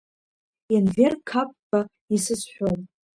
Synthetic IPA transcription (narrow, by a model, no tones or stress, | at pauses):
anvʲerkʰap̚ʼːa | isɨsħʷᶣon